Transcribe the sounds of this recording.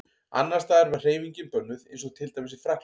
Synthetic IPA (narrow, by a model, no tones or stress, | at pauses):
a̰nːaɾ̥st̪aːðɛɾvɛr̥eːjviɲcɪnpœnːʏðejnsɔɣt̪ʰɪlt̪ajmɪsɪ̥fɾak